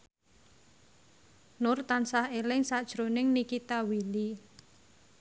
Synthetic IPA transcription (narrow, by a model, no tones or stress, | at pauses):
nʊrt̪ansahelɪŋsad̥ʒ̥ɾonɪŋnikit̪awili